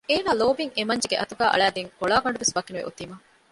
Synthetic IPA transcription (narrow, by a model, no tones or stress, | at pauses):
eːnaːloːbiŋemɐɲd͡ʒeɡeʔɐt̪uɡæːʔɐ̰ɭæːd̪eŋkoɭaːɡɐɳɖuʋesbɐkːinuʋḛʔṵt̪ːiːmɐ